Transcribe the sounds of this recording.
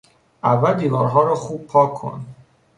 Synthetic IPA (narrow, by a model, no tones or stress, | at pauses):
ʔævːæld̪iːvɒːɾɦɒːɾɒːxuːb̚pʰɒːkʰo̰n